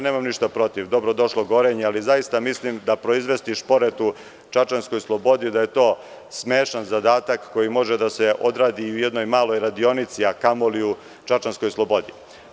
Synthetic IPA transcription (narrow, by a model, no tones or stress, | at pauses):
ne̞ːmamniʃt̪apɾo̞t̪iʋd̪o̞bɾo̞d̪o̞ʃlˠoɡo̞ɾeɲealizajist̪amislimd̪apɾo̞izʋe̞st̪iʃpo̞ɾet̪u | t͡ʃat͡ʃansko̞jslˠo̞bo̞d̪id̪ajet̪o̞ː | smeːʃanzad̪aːt̪akːo̞jimo̞ʒed̪ase̞ʔo̞d̪ɾaːd̪iujed̪no̞jmaːlˠo̞jɾad̪io̞nit̪siakamoliu | t͡ʃat͡ʃansko̞jslˠo̞bo̞d̪i